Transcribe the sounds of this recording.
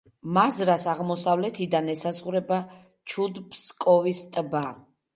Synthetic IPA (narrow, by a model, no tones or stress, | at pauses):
mazɾasaʁmɔsavlɛt̪ʰid̪anɛsazʁuɾɛba | t͡ʃʰud̪pʰskʼɔvist̪ʼba